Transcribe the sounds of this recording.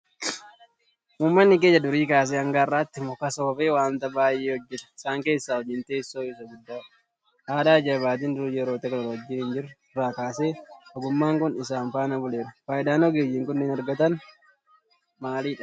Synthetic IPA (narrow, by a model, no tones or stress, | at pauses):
muːmːɐnːɪɡeːɲːɐd̪ʊɾiːkaːs̬eːɐŋɡaːrːaːt̪ːɪmɔkɐsoːfeːwaːnt̪ɐbaːʔeːhɔd͡ʒːɛt̪ɪsaːŋke̞ːsːaːhɔd͡ʒɪnt̪e̞ːsːoːɪsɐɡʊd̪ːaː | haːd̪aːd͡ʒɐbaːt̪̬ɪnd̪ʊɾjɛɾoːt̪ɐkɐlɐɾwɐd͡ʒːiːhɪnd͡ʒɪr | raːkaːseːɔɡʊmːaːŋkʊnɪs̬aːnfaːnɐbʊle̞ːɾɐfaːʔɪd̪aːnoːɡeːjːɪŋkʊnːɪnɐɾɡɐt̪ɐn | maːliːᶑɐ̥